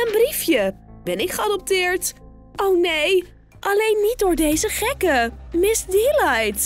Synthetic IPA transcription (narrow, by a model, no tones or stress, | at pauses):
ənbrifjəb̥ɛnɪkχəɑdɔp̚tɪːɹt | ʔownej | ʔɑlejnːit̚dʊːɹdejzəχɛkəmɪsdelajt